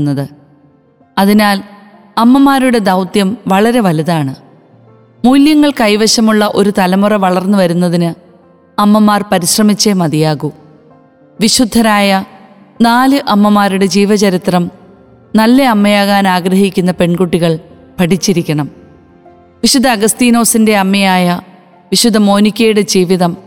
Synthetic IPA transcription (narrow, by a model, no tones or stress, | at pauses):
nːɐðɨ | ɐðinaːl | ɐmːɐmaːɾuɽe̞d̪ɐwt̪jɐmʋɐɭɐɾe̞ʋɐliðaːɳɨ | muːljɐŋːɐɭkɐjʋɐɕɐmuɭːɐʔo̞ɾut̪ɐlɐmurɐʋɐɭɐrnːɨʋɐɾunːɐðinɨ | ɐmːɐmːaːrpɐɾiɕrɐmit͡ɕːemɐðijaːɣu | ʋiɕud̪ʱːɐɾaːjɐ | naːlɨʔɐmːɐmaːɾuɽe̞d͡ʑiːʋɐt͡ɕɐɾit̪rɐm | nɐlːeɐmːɐjaːɣaːnaːɡɾɐɦikʲːunːɐpe̞ɳɡuʈːiɣɐɭ | pɐʈit͡ɕːiɾikʲːɐɳɐm | ʋiɕud̪ʱːɐːɡɐst̪iːno̞ːsinde̞ɐmːɐjaːjɐ | ʋiɕud̪ʱːɐmo̞ːnikʲːejuɽe̞d͡ʑiːʋiðɐm